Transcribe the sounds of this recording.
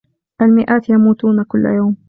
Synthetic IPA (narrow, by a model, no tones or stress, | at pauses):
ʔalmɪʔaːt̪jamuːt̪uːnakʊl̰ːjaːm